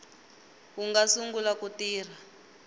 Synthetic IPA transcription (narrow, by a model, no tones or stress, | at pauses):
kuŋɡasuŋɡulakutiːr̤a